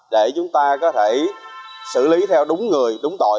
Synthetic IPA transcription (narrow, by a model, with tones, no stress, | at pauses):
ɗe˧˩t͡ɕʊ˨˦ŋ͡mt̪aː˧kɔ˨˦t̪ʰe˧˩ | sɨ̰˧˩li˨˦t̪ʰɛ˧wɗʊ˨˦ŋ͡mŋɨ˨˩əjɗʊ˨˦ŋ͡mt̪o̰˧˨